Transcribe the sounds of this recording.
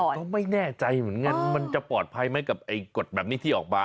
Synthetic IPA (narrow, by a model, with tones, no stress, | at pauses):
ɔː˨˩kɔː˥˩ma˥˩jnɛː˥˩t͡ɕa˧jmɯ˩˦ənŋa˧nma˧nt͡ɕa˨˩pɔː˨˩t̪̚pʰa˧jma˦˥jka˨˩p̚ʔa˧jko˨˩t̪̚bɛː˨˩p̚niː˦˥˩t̪ʰiː˥˩ʔɔː˨˩k̚baː˧˩